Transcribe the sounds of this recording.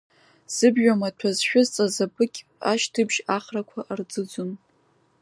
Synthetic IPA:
z̥ɨbʒᶣʷamatʷʰazʃᶣʊzt͡sʼazapʰʼɨkʲʼaʃtʰɨbʒaχrakʷʰaʔard͡zɨd͡zun

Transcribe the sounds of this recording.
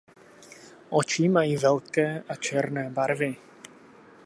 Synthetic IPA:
ʔot͡ʃimajiːvɛlkɛːʔat͡ʃɛɾnɛːbaɾvɪ

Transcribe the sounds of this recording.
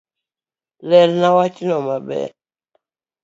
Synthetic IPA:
lɛlnawat͡ʃinɔmabɛ̰

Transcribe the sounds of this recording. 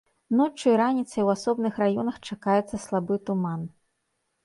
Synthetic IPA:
nɔt͡ʂɨjɾanʲit̪sɐjwasɔbnɨxrajɔnɐxt͡ʂakajɛt̪sːɐslˠabɨt̪uman

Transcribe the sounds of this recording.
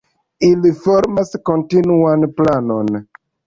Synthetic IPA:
ilifoɾmasko̞ntinuanplano̞n

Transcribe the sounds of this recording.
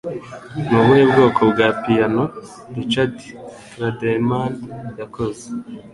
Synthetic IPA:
nuβweːbɡoːkʰobɡaːpijano | dit͡ʃati̥tɾademanjakoze

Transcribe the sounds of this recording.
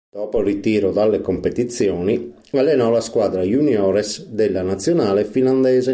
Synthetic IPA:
d̪̥ɔːporit̪iːɾɔd̪alːekompet̪it̪sjɔːni | alːɛnɔlaskwaːd̪ɾajuniɔːɾɛsd̪elːanat̪sːjɔnaːlefiland̪ɛːze

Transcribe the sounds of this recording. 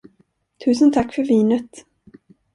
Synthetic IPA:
t̪ʰʉ̟ːsənt̪ʰakːfœɾviːnət̪

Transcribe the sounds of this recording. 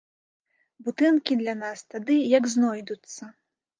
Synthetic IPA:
but̪ɨnkʲid̪lʲanast̪ad̪ɨjɐɡznɔjd̪ut̪sːɐ

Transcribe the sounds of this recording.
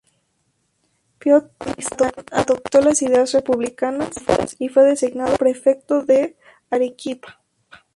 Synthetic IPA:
pjot̪̚mist̪onaðop̚t̪o̞lasiðeasrepuβlikanasifwe̞ðe̞siɣnaðopɾe̞fe̞k̚t̪oðe | aɾekipḁ

